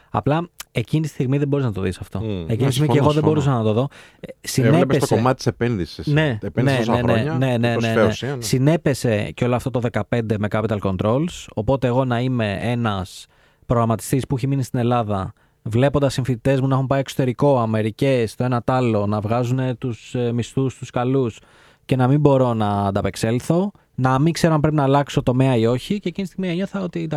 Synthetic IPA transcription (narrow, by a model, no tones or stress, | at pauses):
ɐ̰plɐe̞cinit̪ist̪iɣmiðebo̞ɾiznɐt̪o̞ðisɐft̪o̞ecinit̪isimieɣoðebo̞ɾusɐnɐt̪o̞ðo̞ | sineeosomɐt̪it̪isepenðisisne̞neseneɐne̞ne̞neessine̞pe̞se̞ceo̞loɐft̪ot̪oðekɐpe̞nd̪e̞me̞kɐpit̪ɐlko̞nt̪ɾo̞lso̞po̞t̪e̞ːɣo̞nɐime̞e̞nɐs | pɾoɣɾɐmɐt̪ist̪ispuiçeminist̪ine̞lɐðɐ | vle̞po̞nd̪ɐsːiɱfit̪it̪e̞zmunɐxumpɐjeksot̪e̞ɾiko̞ɐme̞ɾice̞st̪oe̞nɐt̪ɐlo̞nɐvɣɐzune̞t̪usmist̪ust̪uskɐlus | ce̞nɐmimbo̞ɾo̞nɐːd̪ɐpe̞kse̞lθo̞ | nɐmiŋkse̞ɾoɐmpɾe̞pinɐːlɐksi̥ot̪o̞me̞ɐio̞çiceːcinist̪iɣmieɲo̞θɐo̞t̪iɐ